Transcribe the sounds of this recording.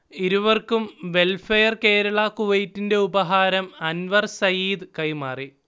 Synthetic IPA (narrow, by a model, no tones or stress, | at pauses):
iɾuʋɐrkumʋe̞lfɐjɐrke̞ːɾɐɭɐkuʋɐjtːinde̞ubɐɦaːɾɐmɐnʋɐrsɐjiːd̪ɨkɐjmaːri